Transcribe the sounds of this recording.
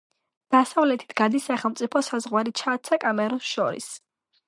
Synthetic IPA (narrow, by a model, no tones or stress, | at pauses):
d̪̥asavlɛt̪ʰi̥t̪ʰɡ̥ad̪isaχɛlˠmt̪sʼipʰɔsazʁwaɾit͡ʃʰaːt̪sʰakʼamɛɾɔsʃɔɾḭs